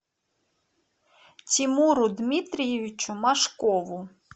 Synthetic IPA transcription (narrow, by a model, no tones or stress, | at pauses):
t͡sʲimuɾʊd̪mʲit̪ɾʲijeʋʲit͡ʃʊmɐʃkɔʋʊ